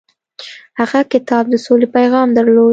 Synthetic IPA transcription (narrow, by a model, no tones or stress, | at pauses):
haɣakɪt̪ɑb̚d̪əsolepajɣɑmd̪əɾlo